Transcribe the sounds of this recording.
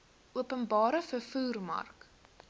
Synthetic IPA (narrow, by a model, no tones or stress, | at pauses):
ʔuəpənbɑːɾəfərfuːrmɐ̰rk